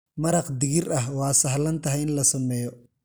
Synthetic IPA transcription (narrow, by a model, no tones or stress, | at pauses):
mɐɾɑqd̪ɪɣɪrɐɦwɑːsɐɦlɐnt̪ʰɐɦɛjɪnlɐsɐmɛːjɔ